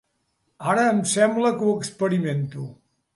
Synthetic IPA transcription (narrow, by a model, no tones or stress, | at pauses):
aɾəːmsɛmbləkuəkspəɾiment̪u